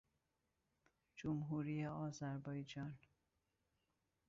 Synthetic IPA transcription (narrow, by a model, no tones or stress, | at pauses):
d͡ʒomɦuːɾiːjeɒːzæɾbɒːjd͡ʒɒːn